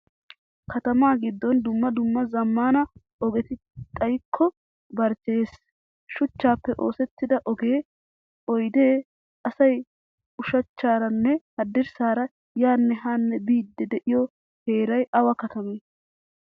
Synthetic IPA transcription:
kɐt̪ɐmaːɡɪd̪ːɔnd̪ʊmːɐd̪ʊmːɐzɐmːaːnɐ | ɔɡɛt̪ɪ | t̪ʼɐjkʰːɔ | bɐɾt͡ʃe̞ːs | ʃʊt͡ʃːaːpːɛʔo̞ːsɛt̪ːɪd̪ɐʔɔɡe̞ː | ɔjd̪eː | ɐsɐj | ʊʃɐt͡ʃːaːɾɐnːɛhɐd̪ːɪɾsaːɾɐ | jaːnːɛɦaːnːɛbiːd̪ːɛd̪ɛʔɪjɔ | heːɾɐjʔɐwɐkɐt̪ɐmeː

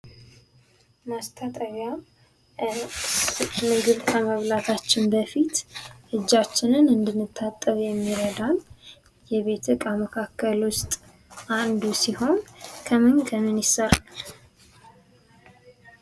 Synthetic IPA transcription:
mast̪ʰat̪ʼəβja | mɨɡɨβkʰəməβlat̪ʰat͡ʃːɪnbəfit̪ʔɨd͡ʒːat͡ʃːɪnɨnɨnd̪ɨnːɨt̪ʰːat̪ʼːəβjɛmːiɾəd̪al | jɛβe̞t̪ʰɨkʼaməkʰakʰːəlwʊst̪ʼ | ʔand̪usiho̞nkʰəmɨŋkʰəmɨnjɪsəɾ

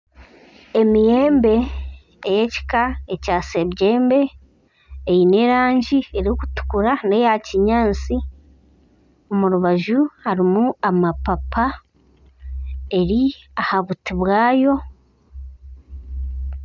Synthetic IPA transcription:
e̞mije̞ːmbe̞ː | jeci̥kaecasebɟeːmbe̞ː | jine̞ːɾaːɲɟie̞ɾiokutu̥kuɾane̞jaciɲaːnt͡si | omuɾuβaʒuhaɾimuamapapʰa | e̞ɾiahaβutiβwaːjo̞

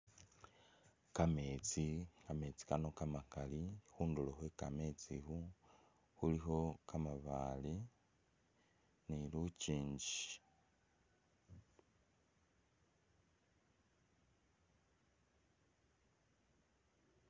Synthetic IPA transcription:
kamet͡sikame̞t͡si̥kano̞kamakalixuːnduloxweka̰met͡sixu | huliɦo̞kamaβali | niluciːɲɟi

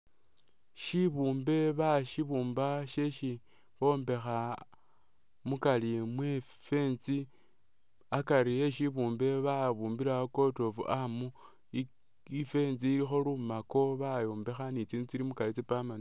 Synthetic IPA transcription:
ʃiβuːmbe̞βaʃiβuːmbaʃe̞ʃi | βombe̞xa | mukalimwe | fe̞ːnt͡si | akaɾieʃiβuːmbe̞βaβuːmbiɾako̞to̞fṵʔamu | ife̞ːnziːɾixo̞lumako̞βajo̞ːmbe̞xanit͡siːnut͡siɾimukalit͡sipaman

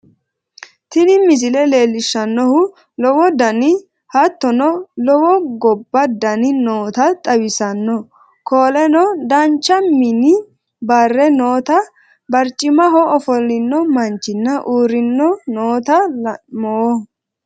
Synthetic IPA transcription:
t̪ɪnɪmɪzɪlɛle̞ːlːɪʃːɐnːɔhʊ | lɔwɔd̪ɐnɪ | hɐt̪ːɔnɔlɔwɔɡɔbːɐd̪ɐnɪnoːt̪ɐt̪ʼɐwɪsɐnːɔ | kʰoːlɛnɔd̪ɐnt͡ʃːɐmɪnɪ | bɐrːɛnoːt̪ɐ | bɐɾt͡ʃʼːɪmɐɦɔɔfɔlːɪnːɔmɐnt͡ʃːɪnːɐʔuːɾɪnːɔnoːt̪ɐmɔɔ

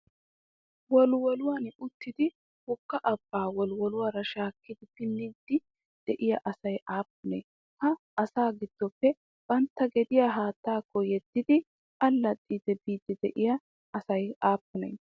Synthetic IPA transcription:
wɔlwɔlʊwaːnʊt̪ːɪd̪ɪ | hʊkːɐʔɐb̥ːaːwɔlwɔlʊwaːɾɐʃaːkːɪd̪ɪpɪnːɪd̪ːɪ | d̪̥ɛʔɪjɐʔɐsɐjʔaːpːʊnḛː | kɐʔɐsaːɡɪd̪̥ːɔpːɛ | b̥ɐnt̪ːɐɡɛd̪ɪjaːɦaːt̪ːaːkːɔjɛd̪̥ːɪd̪ɪ | ʔɐlːɐt̪ʼːiːd̪ɛbiːd̪ɪd̪ɛʔɪjɐ | ʔɐsɐjaːpːʊnḛː

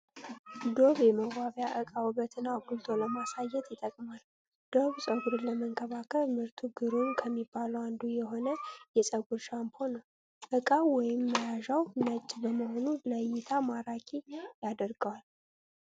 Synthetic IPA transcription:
d̪o̞βjɛməɡaβjaʔɨkʼawɨbət̪ʰɨnːaɡult̪ʰʼoləmasajːɛt̪jɪt̪ʼəkʼmal | d̪̥o̞βsʼəɡuɾɨləməŋkʰəβakʰəlmɨɾt̪ʰuɡɨɾumkʰəmːibːaləwand̪ujɛɦo̞nəjɛsʼəɡuɾʃampʰonəw | ʔɨkʼawɔjɪmːəjaʒawnət͡ʃʼːbəməho̞nuləjːɪt̪ʰamaɾakʰʼijad̪əɾɡəwal

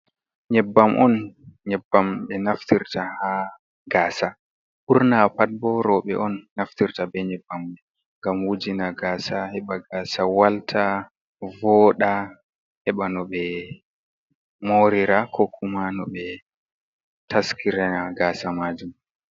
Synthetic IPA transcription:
ɲɛbːamʔɔnɲɛbːamɓɛnaftiɾtaha | ɡaːsa | ʔuɾnapad̚bɔɾɔɓɛ̰ʔɔnːaftiɾtabɛɲɛbːamɓɛ | ŋɡamwud͡ʒinaɡaːsahɛɓaɡaːsawaltʰa | vɔɗa | hɛɓanɔɓɛ | moɾiɾakʰɔkʰumanɔɓɛ | taskʰiɾanaɡaːsamaːd͡ʒum

